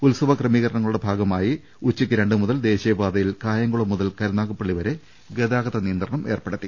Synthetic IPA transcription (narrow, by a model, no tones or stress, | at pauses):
ulsɐʋɐkrɐmiːɣɐɾɐɳɐŋːɐɭuɽe̞bʱaːɡɐmaːji | ut͡ɕːikʲːɨɾe̞ɳɖɨmuðɐld̪e̞ːɕɐjɐbaːd̪ɐjilkaːjɐŋɡuɭɐmːuðɐlkɐɾɐnaːɣɐpːɐɭːiʋɐɾe | ɡed̪aːɡɐðɐnijɐnd̪rɐɳɐmʔe̞ːrpeɽɐt̪ːi